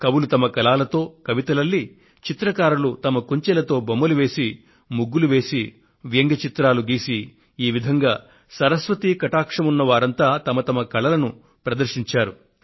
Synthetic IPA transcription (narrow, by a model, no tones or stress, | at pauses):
kɐwulut̪ɐmɐkɐlaːlɐt̪o̞ːkɐʋit̪ɐlɐlːiː | t͡ʃit̪ɾɐkaːɾɐlut̪ɐmɐkuɲt͡ʃɛlɐt̪o̞ːbomːɐluʋe̞ːsi | muɡːuluʋe̞ːsi | ʋjɐŋɡɐt͡ʃit̪ɾaːluɡiːsiː | ʋid̪ʱɐŋɡaː | sɐɾɐsʋɐt̪iːkɐʈaːkʂɐmunːɐʋaːɾɐnt̪aːt̪ɐmɐt̪ɐmɐkɐlɐlɐnu | pɾɐd̪ɐɾʃiɲt͡ʃaːɾu